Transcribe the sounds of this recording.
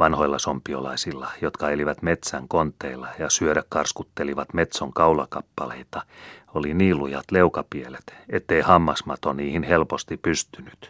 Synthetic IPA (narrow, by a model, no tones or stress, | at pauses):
ʋɑnhoilːɑsompːˑiolɑisilːɑjot̪kɑeliʋæt̪met̪sæŋkont̪ːˑeilːɑjɑsyøɾækkɑrskut̪ːeliʋɑt̪met̪soŋkɑulɑkɑpːɑlḛit̪ɑoliniːlujɑ̰t̪leukɑpielet̪et̪ːeihɑmːɑsmɑt̪oniːhinhelpost̪ipyst̪yny̥t̪